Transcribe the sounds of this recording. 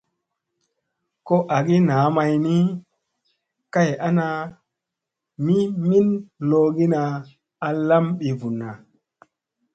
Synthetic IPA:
ko˦ʔa˨ɡi˦naː˨˦ma˧jni˦ | ka˦˨ja˦na˧ | mi˦mi˦nlo˧ɡi˦na˧ | a˨la˦mɓi˨vu˨nːa˨

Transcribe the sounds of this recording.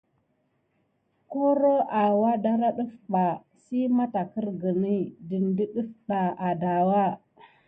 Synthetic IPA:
ko˦ɾo˦a˨wa˦da˦ɾa˦ɗu˦fba˨ | si˦ma˦ta˨kə˦ɾɡə˨ni˦di˨ndi˦ɗu˦fɗa˨a˨da˨wa˦˨

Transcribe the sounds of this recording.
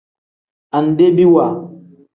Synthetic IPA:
a˨n˨de˦bi˦wa˨

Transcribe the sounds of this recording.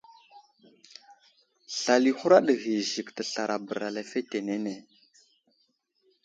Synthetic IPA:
ɬa˨li˨xu˦ɾa˦ɗə˨ɣi˨zi˨ktə˨ɬa˨ɾa˨bə˨ɾa˨la˨fe˦te˨ne˦ne˨

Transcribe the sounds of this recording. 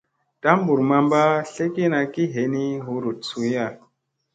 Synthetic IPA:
ta˦mbu˨ɾma˦mba˦ɬe˦ki˦na˨ki˦ɦe˨˦ni˦ɦu˨ɾu˨t̚su˦ja˦˨

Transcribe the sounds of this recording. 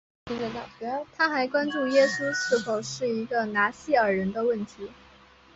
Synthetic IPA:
i˥˧˩a˨˩ɛ˧˥t̪ʰa˥xa˧˥ɪkwa˥nʈ͡ʂu˥˩jɛ˥su˥ʂ̩˥˩fo˧˩ʊʂɻ̩˥˩i˧˥ɡə˧na˧˥ɕi˥˩ə˞˨˩ɻə˧˥nd̪ə˧wə˥˩nt̪ʰi˧˥

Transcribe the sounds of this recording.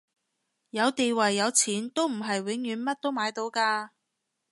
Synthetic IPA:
jɐ˨˧wt̪e˨jwɐ˨˩jːɐ˨˧wt͡sʰiː˨˥nt̪o˥wm̩˨˩ɦɐ˨jwɪ˨˥ŋjyː˨˥nmɐ˥t̚t̪o˥wmaː˨˧jt̪o˨˧wkaː˧

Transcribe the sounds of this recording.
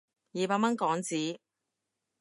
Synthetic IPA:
jiː˨˧paː˧k̚mɐ˥nkɔː˨˥ŋt͡siː˨˥

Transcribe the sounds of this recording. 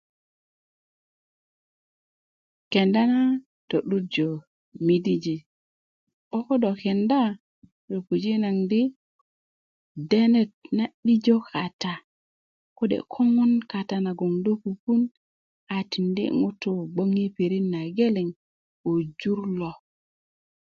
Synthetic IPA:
ke˨nda˦na˦ | to˨ɗu˦t̚d͡ʒo˨ | mi˦di˦d͡ʒi˨ | ɓo˦ko˦do˨ke˨nda˦ | ɾo˨ku˨d͡ʒi˦na˨ŋdi˦ | de˦ne˨t̚na˦ɗi˦d͡ʒo˦kʰa˨ta˨ | ko˦dḛ˨kʰo˦ŋo˦nka˨ta˨na˨ɡo˨ŋdo˦ku˨ku˦n | a˨ti˨ndḭ˦ŋu˦tu˦ɡ͡bo˦ŋi˦pi˨ɾi˦nːa˨ɡe˦li˨ŋ | o˨d͡ʒu˦ɾlo˨

